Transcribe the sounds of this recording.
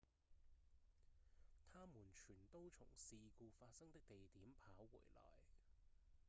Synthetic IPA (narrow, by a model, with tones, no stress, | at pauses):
t̪ʰaː˥muː˨˩nt͡ʃʰyː˨˩nt̪o˥wt͡sʰʊ̰˨˩ŋsiː˨˧kuː˧faː˧t̚sɐ˥ŋt̪ɪ˥k̚t̪e˨jt̪iː˨˥mpʰaː˨˥wwṵː˨˩jlɔ̰ː˨˩j